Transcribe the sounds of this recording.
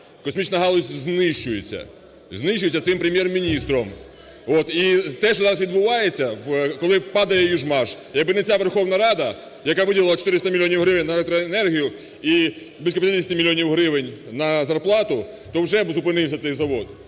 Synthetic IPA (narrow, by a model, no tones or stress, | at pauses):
kɔsʲmʲit͡ʃnɐɦɑlˠɔsʲznɪʃt͡ʃʊjet͡sʲːɐ̰ | znɪʃt͡ʃːʊjʲt͡sʲːɐt̪ɪmpɾemʲjermʲinʲist̪ɾɔm | ot̪it̪ɛʃt͡ʃɔzɑɾɐsʋʲid̪bʊʋɑjet͡sʲːɐwkɔlˠɪpɑd̪ɐjɛjuʒmɑʒjɐɡbɪnet͡sʲaʋerxɔwnɐɾɑd̪ɐ | jɐkɑʋɪdʲɐlˠɪlˠɐt͡ʃɔ̥t̪ɪɾɪst̪ɐmʲlʲːjɔnʲiwɦɾɪʋenʲnɐlˠekt̪ɾɔenɛrɦʲijʊ | i | blisʲkɔpʲjt̪ɾʲisʲt̪ʲimʲilʲijɔnʲiwɦɾɪʋenʲnɐzɐrplˠɑt̪ʊ | t̪ɔwʒɛbzʊpɪnɪwsʲɐt̪sɛjzɐʋɔd̪